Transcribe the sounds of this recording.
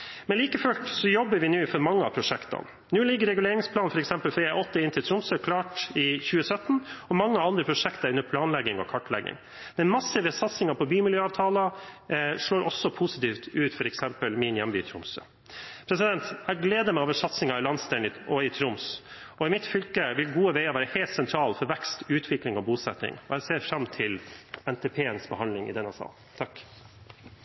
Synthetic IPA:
mɛnliːkəføʈsɔjɔbːəɾʋɪnʉːfɔɾmɑŋːəɑ̰pʰɾʊʂɛkt̪ɑ̰n | nʉːlɪɡːəɾɛɡʉleːɾɪŋspʰlɑːnfɔɾɛksɛmpəlfɔɾjæɪʔɔt̪ːəɪnt̪ʰɪlt̪ʰɾʊmsəkʰlɑːʈɪçʉːəsœt̪n̩ɔmɑŋːəɑnd̪ɾəpʰɾʊʂɛkt̪əɾʉnːəpʰlɑːnlɛɡɪŋɔ̰kʰɑʈlɛ̰ɡɪ̰ŋ | d̪ɛnmɑsɪʋəsɑt̪sɪŋɑpʰɔbyːmɪljøːɑːʋt̪ʰɑːlɑ | ʂɭoːɾɔsːɔpʰusɪt̪iːft̪ʉːt̪fɔɾɛksɛmpəlmɪnjæmbyːt̪ʰɾʊmsə | pʰɾɛsɪd̪ɛnt̪æɡleːd̪əmɛɪoːʋəʂɑt̪snɪŋɑɪlɑnst̪ɛnɪɔɪt̪ʰɾʊms | ɔɪmɪt̪fʏlkəʋɪlɡuːəʋæɪɑʋæːɾəheːlt̪sɛnt̪ʰɾɑːlfɔɾʋɛkst̪ʉːt̪ʰʋɪklɪŋɔbuːsɛt̪nɪ̰ŋɔæɪseːɾfɾɑmt̪ʰɪlɛnt̪ʰɛːpʰeːənsbəhɑnd̪lɪŋɪ̰d̪ɛnɛsɑ̰ː | t̪ʰɑk

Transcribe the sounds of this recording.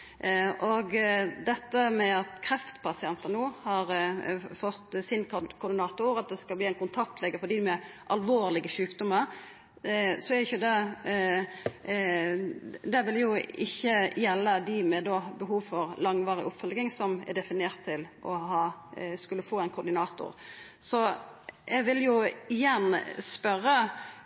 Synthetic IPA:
ʔɔɡd̪ɛt̪ːəmɛɑt̪kʰɾɛft̪pʰɑsɪɛnt̪ənuːhɑɾfɔt̪sɪnkkʰʊɾd̪ɪnɑːt̪ʊɾɑt̪̚d̪ɛskɑlbliːæɪnkʊnt̪ʰɑk̚t̪ʰlɛɡəfɔd̪iːmɛʔɑlʋoːʁlɪɡəʃʉːkd̪ɔməɾ | sɔɛɾɪçʊd̪ɛ | d̪ɛʋɪljʊɪçːəjɛlːəd̪ɪmɛd̪oːbəɦuːʋfɔɾlɑŋʋɑːʁɪ̰ʔʊpfœlɡɪŋsɔmɛ̰d̪ɛfɪneːʁt̪ʰːɪlʔɔ̰ɦɑːskʉlːəfoːɛɪnkʰʊɾd̪ɪnɑːt̪ʊ̰ɾ | sɔ | ɛɡʋɪljʊɪjɛnspœɾːə

